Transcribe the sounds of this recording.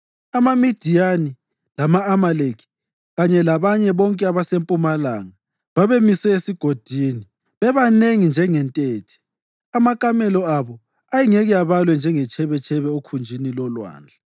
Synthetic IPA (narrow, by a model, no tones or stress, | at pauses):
amamid̥ʱijani | lamaːmalekʰi̥ | ɣaɲɛlaβaɲɛβɔŋkʼɛaβasempʼumalaŋa | βaβemisɛesiɡ̥ʱod̥ʱiːni | βɛβaneŋind͡ʒʱɛŋɛntʼeːtʰi̥ | amakʼamɛlɔaβɔ | ajiŋeɣujaβalwɛnd͡ʒʱɛŋɛt͡ʃʰɛβɛt͡ʃʰʼɛβɛokʰund͡ʒʱinilɔlwa̰ːnd͡ɮʱa